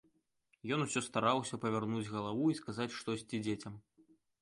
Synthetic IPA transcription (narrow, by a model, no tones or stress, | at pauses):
jɔnusʲɔst̪aɾawsʲɐpɐvʲarnud͡zʲɣɐlˠavuiskazat͡sʲʂt̪ɔsʲt͡sʲid͡zʲet͡sʲɐm